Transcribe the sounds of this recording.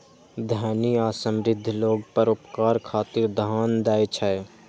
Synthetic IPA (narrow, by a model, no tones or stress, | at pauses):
d̪ʱaːniaːsə̃mɾɪd̪ʱːloːɡpəɾʊpkaːɾkʰaːt̪ɪɾd̪ʱaːnd̪aːjt͡ʃʰae